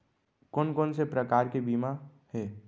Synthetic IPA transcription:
koːnkoːnsepɾəkaːɾkebiːma | hɛː

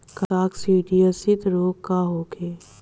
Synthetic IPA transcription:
kaːksiːɖijəsɪt̪ɾoːkkaɦoːkʰeː

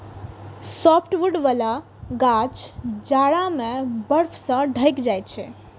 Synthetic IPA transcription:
sɔpʰʈʋuɖʋala | ɡat͡ʃd͡ʒaɽamebəɾpʰsə̃ɖʱəjkd͡ʒajt͡ʃʰɛ

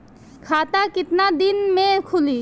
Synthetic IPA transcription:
kʰat̪akit̪nad̪inmeɾkʰuli

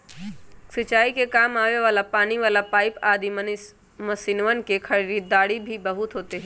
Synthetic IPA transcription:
sɪt͡ʃaːikekaːmaːʋeʋaːlapaːniʋaːlapaːɪpaːd̪im | mɐsiːnʋənkekʰɐɾiɾiːt̪̚ːaːɽibʱibəɦʊt̪ɦoːt̪eɦɛ̃ː

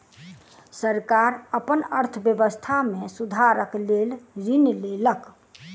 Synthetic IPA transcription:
səɾkaɾəpənəɾt̪ʰəbjəbəst̪ʰamẽsud̪ʱaɾəklelɾinlelək

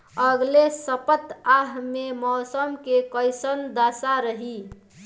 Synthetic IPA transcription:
əɡlesəpət̪aɦmemɔːsəmkekəɪsənd̪asaɾəɦi

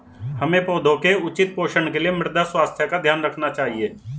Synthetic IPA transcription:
hɐmẽpoːd̪ʱõkeʊt͡ʃɪt̪̚poːʃəɳkeliemɪɾd̪aswaːst̪ʰjəkad̪ʱjaːnɾəkʰnat͡ʃaːɦieː

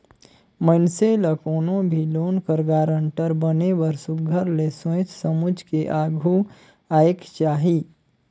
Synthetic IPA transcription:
mənseləkoːnõbʱiloːnkəɾɡaːɾə̃ɳʈəɾbənebəɾsʊɡʱəɾlesẽt͡ʃsəmʊd͡ʒʱkeʔaːɡʱu | aːjekt͡ʃaːɦi

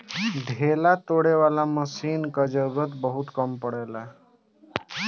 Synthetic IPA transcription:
ɖʱelat̪oɽeʋalaməsiːnkəd͡ʒəɡət̪bəɦut̪kəmpəɽajla

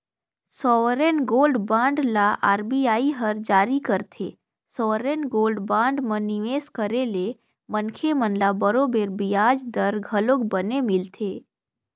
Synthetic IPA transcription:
sɔʋɾenɡoːlɖbãːɳɖlaʔa̰ɾbiaːiɦəɾd͡ʒaːɾikəɾt̪ʰḛː | sɔʋɾenɡoːlɖbãːɳɖmə̃niʋeːskəɾele | mənkʰemənlabəɾobeɾbijad͡ʒd̪əɾɡʱəloɡbənemɪlt̪ʰeː

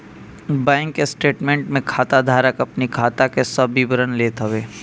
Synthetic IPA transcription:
bãːŋkːesʈeːʈmẽːɳʈmẽkʰaːt̪ad̪ʱaːɾəkɐpnikʰaːt̪akesəbibəɾənleːt̪ɦəʋeː

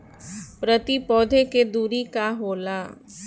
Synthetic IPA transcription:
pɾət̪ipɔːd̪ʱeked̪uːɾikaɦoːlaː

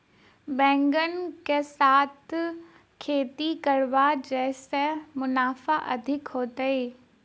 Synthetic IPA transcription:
bɛ̃ːŋɡənkesaːt̪ʰ | kʰeːt̪ikɐɾʋad͡ʒɛːsemʊnaːfaʔɐ̰d̪ʱɪkɦoːt̪əeː

